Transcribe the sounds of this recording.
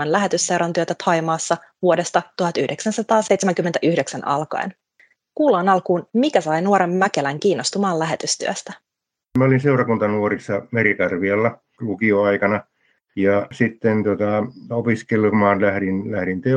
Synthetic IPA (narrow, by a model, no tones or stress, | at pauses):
ɑnlæɦe̞t̪ysːeɾɑnt̪yøt̪æt̪ʰɑjmɑːsːɑ | ʋuode̞st̪ɑt̪uhɑt̪yhde̞ksænsɑt̪ɑːsejt̪semæŋkyment̪æʔyhde̞ksænʔɑ̰lkɑ̰en | kuːlɑːnɑlkuːnmikæsɑjnuoɾemmækelæŋkiːnːo̞st̪umɑːlæɦe̞t̪yst̪yø̰st̪æ | mæolinseurɑkunt̪ɑnuorisːɑmerikɑrʋiɑlːɑ | lukioɑikɑnɑ | jɑsit̪ːent̪uot̪ɑopiskelmɑːnlæhɾinlæhɾint̪e